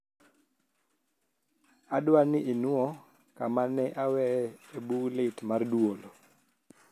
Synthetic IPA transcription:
adwanɪʔɪnʊɔ | kamanɛʔawɛebulɪtmarduolo

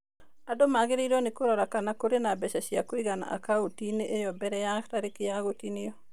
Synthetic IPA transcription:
adomaɡɪɾiɾɔnekoɾɔɾakanakoɾenabɛʃaʃiakɪɡana̰ʔa̰kaotineʔejɔbɛɾɛjaktaɾɪkɪjaɡotinɪjɔ

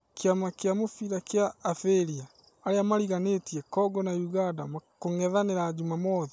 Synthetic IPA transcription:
keamakeamofiɾakeaːfeɾiaː | ɾeamaɾiɣanetiɛkɔɡɔnajuɣandamakoŋɛðaneɾaːd͡ʒumamɔði

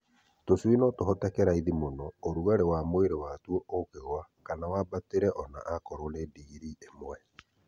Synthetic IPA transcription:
toswinɔtoɦɔtɛkɛɾaiðimonɔoɾuɣaɾewamoeɾewatwɔʔokeɣwakanawabateɾɛʔɔna̰ʔakɔɾonediɣiɾiʔemwɛ

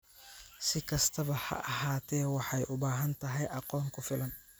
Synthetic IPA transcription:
sɪkʰɐst̪ʰɐβɐhɐ̰ʔɐɦaːt̪ʰɛːwɑħɑjʔʊbaːɦɐnt̪ʰɐɦɛjʔɐqɔːŋkʰʊfɪlɐn

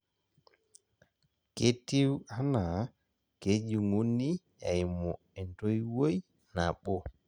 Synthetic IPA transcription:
ketːiwana | ked͡ʒiŋonːi | ɛjmɔ | ɛntɔjwoj | naɓɔ

